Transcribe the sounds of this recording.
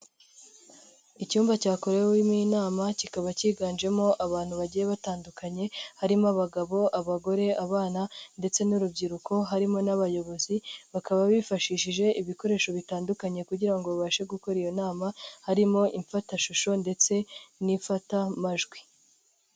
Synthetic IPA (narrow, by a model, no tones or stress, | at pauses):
icuːmbacaːko̞ɾejwiminaːmacikaβaciːɡaːnd͡ʒe̞mo̞ʔaβaːnhuβaɟije̞βataːndukaɲe̞haɾimaβaɡaβo̞ʔaβaɡo̞ɾe̞aβaːnande̞t͡se̞nuɾubɟiɾuko̞ɦaɾimo̞naβajo̞βo̞ziβakaβaβifaʃiʃiʒe̞ʔiβiko̞ɾe̞ːʃo̞βitaːndukaɲe̞kuɟiɾaŋɡo̞βaβaʃe̞ɡuko̞ɾijo̞naːmahaɾimo̞ʔiɱfataʃuʃo̞nde̞t͡se̞niɱfatamaʒɡwi